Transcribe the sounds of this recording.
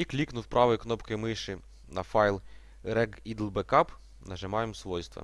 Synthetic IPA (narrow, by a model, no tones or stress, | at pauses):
iklʲiknʊwpɾʔɑʋʊjʊknɔpkɐjmɪʃɪ | nɐfɑjlˠ | rɛɡid̪lˠbekɑp | nɐʒɪmɑjemsʋɔjst̪ʋɐ̰